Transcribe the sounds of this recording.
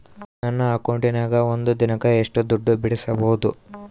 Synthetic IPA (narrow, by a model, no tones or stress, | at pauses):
nɐnːɐaːkoɳɖinaːɡɐond̪ud̪inɐkɐeʂʈud̪uɖːubiɽisɐbɐwud̪u